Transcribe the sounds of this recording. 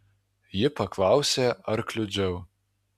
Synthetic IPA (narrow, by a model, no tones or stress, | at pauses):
jɪpɐklˠɑˑʊsʲeːɐɾklʲʊd͡ʒʲɛʊ